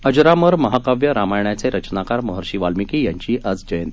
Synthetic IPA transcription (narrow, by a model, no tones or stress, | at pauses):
əd͡ʑɾaməɾməɦakaʋjəɾamajɳjat͡seɾət͡ɕnakaɾməɦəɾɕiʋalmikijaɲt͡ɕiːʔəd͡zd͡ʑəjn